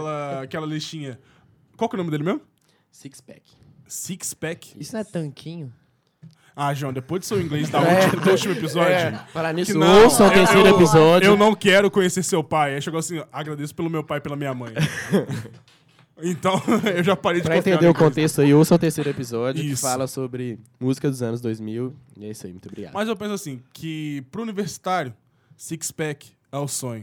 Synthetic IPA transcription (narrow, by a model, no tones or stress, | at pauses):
kɛlɐakɛlɐleʃĩɲɐ | kwawkɛwnomɪd̪elɪmezmʊ | sikspɛ̰k | sikspɛkisʊñɛt̪ɐ̃kʰĩɲʊ | aʒɐ̃d̪epojd͡ʒɪ̥seɾʊ̃ĩŋɡlezd̪aumd̪ut͡ʃimʊepizɔd͡ʒʊpaɾaniɪ̃owsõeɾsejɾʊepizɔd͡ʒeʊwnɐ̃w̃kɛɾʊkõɲeseɾsewpajɛʃeɡoasĩaɡɾad̪esʊ̥pelʊmewpajpelɐmĩɲamɐ̃j̃ | ẽnt̪ɐ̃w̃ewʒapaɾejd͡ʒpɪɾɐẽt̪ẽd̪eʊkõt̪est̪ʊaiowsõt̪eɾsejɾʊepizɔd͡ʒʊiɪsfalɐsobɾɪmuzikɐd̪ʊzɐ̃nʊzd̪ojzmiwɛisaimũt̪obɾiɡad̪mɐzewpẽsʊasĩkʰɪpɾʊːniveɾsi̥t̪aɾjʊ | sikspɛk | ɛʊsõɲʊ